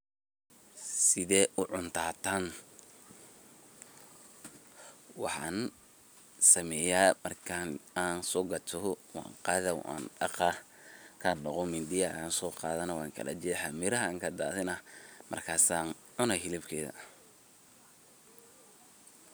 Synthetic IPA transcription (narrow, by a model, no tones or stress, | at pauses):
sɪðɛːʔʊʕʊnt̪ʰaːt̪ʰaːn | wɑħɑ̰ːn | sɐmɛːjaːmɐrkʰanaːnsɔːɡɐt̪ʰɔwɑ̰ːŋqɑːðɐwa̰ːnɑ̰qɑkʰanɔqɔmɪnd̪ɪjaaːnsɔːqɑ̰ːðɐnɐwɑ̰ːŋkʰɐ̰lɐ̰d͡ʒɛħamɪɾɐɦɐaːŋkʰɐd̪a̰ːðɪnɐmʔɐ̰rkʰaːsaːn | ʕʊnɐɦɪlɪbkʰɛːðɐ̰